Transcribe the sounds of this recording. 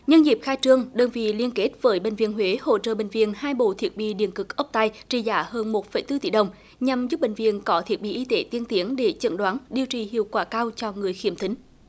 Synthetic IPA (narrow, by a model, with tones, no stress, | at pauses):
ɲə˧nzi˨˩p̚xaː˧jt͡ɕɨ˧əŋɗəː˨˩nvḭ˧˨li˧ənke˦˥t̚vəː˨˦jɓë˧˨ŋ̟vḭ˧˨ənɦwe˨˦ho̰˧˨t͡ɕəː˧˨˩ɓï˧˨ŋ̟vḭ˧˨ənhaː˧jɓo̰˧˨t̪ʰi˨˩ət̚ɓḭ˧˨ɗḭ˧˨ənkɨ˨˩k̚ʔə˦˥wp̚t̪a˧jt͡ɕi˧˩zaː˧˩həː˧nmo˨˩t̚fə˧˩jt̪ɨ˧t̪ḭ˧˩ɗə˨˩wŋ͡m | ɲa˨˩mzʊ˦˥ɓë˧˨˩ŋ̟vḭ˧˨ənkɔ˨˦t̪ʰi˨˩ət̚ɓḭ˧˨ʔi˧˦t̪e˨˦t̪i˧ənt̪i˨˦əŋɗe˧˩t͡ɕə̰˧˥nɗwaː˨˦nɗi˨˩əwt͡ɕi˧˩hḭ˧˨əwkwaː˧˩kaː˧wt͡ɕɔ˧ŋɨ˨˩əjxi˨˦əmt̪ʰï˨˦ŋ̟